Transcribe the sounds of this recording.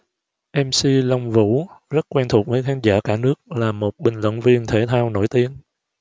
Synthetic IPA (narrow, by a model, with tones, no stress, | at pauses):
ʔɛ˧msi˧lɔ˧wŋ͡mvṵ˧˥zə˦˥t̚kwɛ˧nt̪ʰu˨˩k͡p̚vəː˨˦jkʰaː˨˦nzaː˧˥˩kaː˧˩nɨ˦˥ək̚laː˨˩mo˨˩t̚ɓï˨˩ŋ̟lwə̰˧˨nvi˧ənt̪ʰe˧˩t̪ʰaː˧wno̰˧˩jt̪i˨˦ən